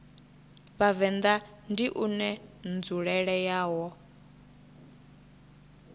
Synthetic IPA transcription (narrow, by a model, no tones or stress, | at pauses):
βavɛnd̪a | ndiʔunɛnd͡zuɺɛɺɛjaːwɔ